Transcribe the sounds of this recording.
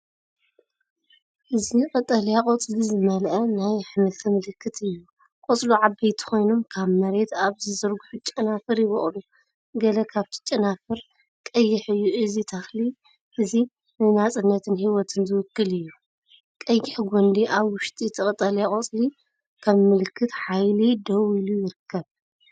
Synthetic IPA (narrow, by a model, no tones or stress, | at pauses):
ʔɨziqʼɨt̪ʼːɐljakʼot͡sʼlizɨmɐlʔɐnajħmɐlt̪ʰɐmɨlɨkʰːɨt̪ʰɨjːu | kʼot͡sʼluʕabːɐjt̪ʰi̥xo̞jno̞mkʰaβmɐɾe̞t̪aβzɨzɐɾɡuħut͡ʃʼːɐnafɨɾjɪβo̰χʼlu | ɡɐlɐkʰaβt̪ʰi̥t͡ʃʼːɐnafɨɾ | kʼɐjːɪħɨjːuʔɨzit̪ʰɐxli | ʔɨzi | nɨnat͡sʼɨnːɐt̪ʰɨnhiwɔt̪ʰɨnzɨwɨkːɨlɨjːu | kʼɐjːɪħɡʷond̪iʔaβwʊʃt̪ʼit̪ʰɨχʼt̪ʼɐlakʼot͡sʼli | kʰɐβmɨlɨkːɨt̪ħajlid̪ɐwilujɪɾɨkʰːɐβ